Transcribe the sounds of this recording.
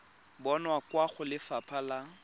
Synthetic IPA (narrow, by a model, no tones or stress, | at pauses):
bɔnwakwaχʊlɪfapʰala